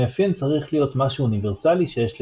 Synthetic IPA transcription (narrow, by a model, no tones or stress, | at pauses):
afint͡saʁiχlijo̞t̪maʃuːniveʁsaliʃejeʃl